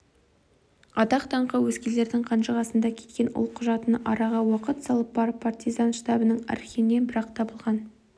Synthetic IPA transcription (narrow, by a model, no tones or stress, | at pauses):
ɑt̪ɑqt̪ʰɑɴqəwɵskʲele̞ɾd̪ɪŋqʰɑnʃəʁɑsənd̪ɑkʲʰe̞t̪̚kʲe̞nʊ̰lˠqʰʊʒɑt̪ənʔɑɾɑʁɑwɑqət̪sɑlˠəpːɑɾəpʰːart̪ijzɑnʃt̪ɑbənəɴæ̰ɾkʲenːenbɪɾɑqt̪ʰɑbəlˠʁɑn